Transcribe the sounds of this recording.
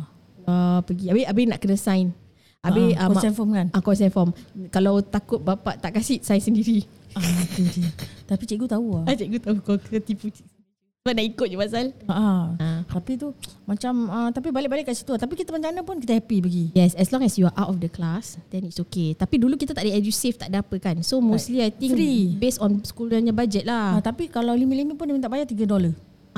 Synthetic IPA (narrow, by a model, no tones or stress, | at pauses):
apəɡiabeabɪnaʔkənəsajn | ʔabeamsanfɔmkanakɔsanfɔmkalawt̪akʊt̪̚bapa̰ʔt̪aʔkasiʔsajnsəndiɾi | at̪udit̪apit͡ʃiʔɡut̪auaat͡ʃɛʔɡut̪aukɔkənət̪iput͡ʃ | banaʔikʊt̪̚d͡ʒupasalaʔaãt̪apit̪umãt͡ʃamə̃t̪apibalɪʔ̚balɪʔkːaʔsi̥t̪uat̪apikit̪əmaɲãnãpʊnk̬it̪əhɛpibaɡijɛsɛslɔ̃ŋɛsjuaʔawtɔfdəklasdɛnitsoket̪apidulukit̪at̪aʔdəɛdjuseft̪aʔdapəkansomosliajt̪ĩŋɾibesɔnskulaɲabad͡ʒɛt̪̚laat̪apikalalimiʔlimipʊnəmĩt̪aʔbajaʔt̪iɡədɔlə | a